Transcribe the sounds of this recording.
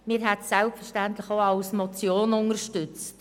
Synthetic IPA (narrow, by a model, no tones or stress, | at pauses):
mɪːɾɦɛtsɛlpfərʃtæntlɪxoɑlsmɔt͡sjoːnʊnərʃtʏt͡st